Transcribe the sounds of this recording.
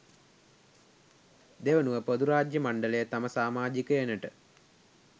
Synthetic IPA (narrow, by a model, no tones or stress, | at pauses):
d̪eʋənuʋəpod̪uɾaːd͡ʒjəmaɳɖələjət̪aməsaːmaːd͡ʒikəenəʈə